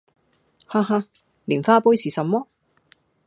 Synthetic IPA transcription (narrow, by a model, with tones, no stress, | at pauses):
haː˧ɦa˧ | liː˨˩nfaː˥puː˥jsiː˨˩sɐ˨mmɔː˥